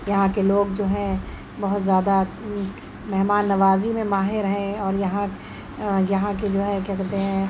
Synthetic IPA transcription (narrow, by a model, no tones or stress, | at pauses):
jɐɦãkeloːɡd͡ʒoːɦɛ̃ | bɐɦʊt̪zjaːd̪a | mɛɦmaːnːɐʋaːzimẽmaːɦɪɾɦɛ̃ɔːɾjɐɦã | jɐɦãked͡ʒoːɦɛkɛɾt̪eɦɛ̃ː